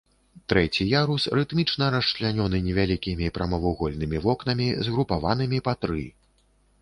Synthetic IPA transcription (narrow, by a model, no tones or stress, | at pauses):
t̪ɾɛt͡sʲijaɾusrɨt̪mʲit͡ʂnɐɾɐʂt͡ʂlʲanʲɔnɨnʲɛvʲalʲikʲimʲipɾɐmavuɣɔlʲnɨmʲivɔknɐmʲizɣɾupava̰nɨmʲipat̪ɾɨ